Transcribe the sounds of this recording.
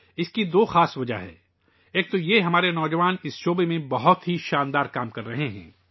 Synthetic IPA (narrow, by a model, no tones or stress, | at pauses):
ɪskid̪oːxaːsʋɐd͡ʒa̰ɦɛ̰ː | eːk̚t̪ojeɦɐmaːɾenɔːd͡ʒɐʋaːnɪsʃoːbemẽbɐɦʊt̪ɦiʃaːnd̪aːɾkaːmkɐɾːɐɦeɦɛ̰̃ː